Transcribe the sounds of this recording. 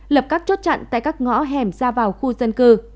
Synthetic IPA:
lə˨˩p̚kaː˦˥k̚t͡ɕo˦˥t̚t͡ɕa̰˧˨nt̪a̰ː˧˨jkaː˦˥k̚ŋɔ̰˧˥ɦɛ˨˩mzaː˧vaː˨˩wxu˧zə˧nkɨ˧

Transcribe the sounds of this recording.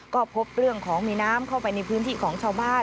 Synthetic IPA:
kɔː˥˩pʰo˦˥p̚ɾɯ˥˩əŋkʰɔː˩˦ŋmiː˧naː˦˥mkʰa˥˩wpa˧jna˧jpʰɯː˦˥nt̪ʰiː˥˩kʰɔː˩˦ŋt͡ɕʰaː˧wbaː˥˩

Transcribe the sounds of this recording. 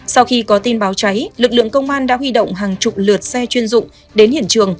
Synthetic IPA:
sa˧wxi˧kɔ˨˦t̪i˧nɓaː˨˦wt͡ɕa˨˦jlɨ˨˩k̚lɨ̰˧˨əŋkə˧wŋ͡mʔaː˧nɗa̰ː˧˥ɦwi˧ɗə̰˧˨wŋ͡mɦaː˨˩ŋt͡ɕʊ˨˩k͡p̚lɨ˨˩ət̚sɛ˧t͡ɕwi˧ənzʊ̰˧˨ŋ͡m | ɗe˨˦nhḭ˧˨ənt͡ɕɨ˨˩əŋ

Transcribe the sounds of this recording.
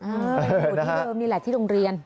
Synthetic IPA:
ʔaː˧˩˧nː˦˥˧mːiː˧laː˨˩t̪ʰiː˥˩ɾo˧ŋɾi˧ən

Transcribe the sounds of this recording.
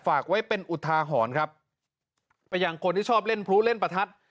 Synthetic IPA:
faː˨˩k̚wa˦˥jpe˧nʔu˨˩t̪ʰːaː˧ɦɔː˩˦nkʰɾa˦˥p̚ː | a˧jːaː˧ŋkʰo˧nt̪ʰiː˥˩t͡ɕʰɔː˥˩p̚le˥˩npʰɾu˦˥le˥˩npa˧t̪ʰa˦˥t̪̚

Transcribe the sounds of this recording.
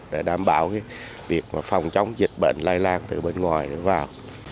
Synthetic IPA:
ɗe˧˩ɗaː˧˩mɓa̰ː˧˩wkaː˨˦j | vi˨˩ək̚maː˨˩fɔ˨˩wŋ͡mt͡ɕɔ˧˦wŋ͡mzï˨˩t̚ɓḛː˧˨nlaː˧jlaː˧nt̪ɨ˨˩ɓe˧nŋwaː˨˩jɗɨ̰˧˦vaː˨˩w

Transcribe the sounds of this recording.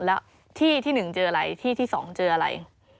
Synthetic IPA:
lɛ˦˥ | t̪ʰiː˥˩t̪ʰiː˥˩nɯ˨˩ŋt͡ɕɤː˧ʔa˧ɾa˧jt̪ʰiː˥˩t̪ʰiː˥˩sɔ̰ː˩˦ŋt͡ɕɤː˧ʔa˧ɾa̰˧j

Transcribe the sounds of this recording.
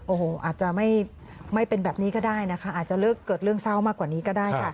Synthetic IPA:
ʔoː˨˩hoː˨˩ʔa̰ː˨˩t̪̚t͡ɕa˨˩ma˥˩j | ma˥˩jpe˧nbɛː˨˩p̚niː˦˥kɔː˥˩daː˥˩jna˦˥kʰa˦˥ʔaː˨˩t͡ɕa˨˩lɤː˥˩kːɤː˨˩t̪̚ɾɯ˥˩əŋsa˥˩wmaː˥˩kwaː˨˩niː˦˥kɔː˥˩daː˥˩jkʰa˥˩

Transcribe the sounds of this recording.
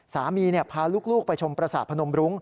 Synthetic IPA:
saː˩˦miː˧ni˥˩pʰaː˧luː˥˩k̚luː˥˩k̚pa˧jt͡ɕʰo˧mpɾa˧saː˨˩t̚pʰa˧no˧mɾu˦˥ŋ

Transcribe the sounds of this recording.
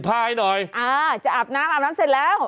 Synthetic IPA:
pʰaː˧˩˧jnɔː˨˩jʔaː˧˩t͡ɕa˨˩ʔaː˨˩p̚naː˦˥mʔaː˨˩p̚naː˦˥msi˧˩lɛː˦˥w

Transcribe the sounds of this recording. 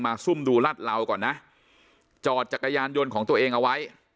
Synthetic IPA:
maː˧su˥˩mduː˧la˥˩t̪̚la˧wkɔː˨˩nːa˦˥ʔ | t͡ɕɔː˨˩t̪̚t͡ɕa˨˩kːa˧jaː˧njo˧nkʰɔː˩˦ŋt̪u˧ɐʔeː˧ŋʔa˧wa˦˥j

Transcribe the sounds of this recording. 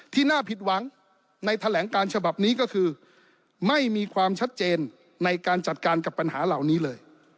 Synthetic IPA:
t̪ʰiː˥˩naː˥˩pʰi˨˩t̪̚wa˨˩˦ŋ | na˧jt̪ʰa˧lɛː˩˦ŋkaː˧nt͡ɕʰa˧ba˨˩p̚niː˦˥kɔː˥˩kʰɯː˧ | ma˥˩jmiː˧kʰwaː˧mt͡ɕʰa˦˥t̪̚t͡ɕeː˧nː | a˧jkaː˧nt͡ɕa˨˩t̪̚kaː˧nka˨˩pːa˧nha̰ː˩˦la˨˩wniː˦˥lɤː˧j

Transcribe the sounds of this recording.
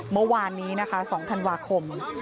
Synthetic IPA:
mɤ˧waː˧nːiː˦˥na˦˥kʰa˦˥sɔː˩˦ŋt̪ʰa˧nwaː˧kʰo˧m

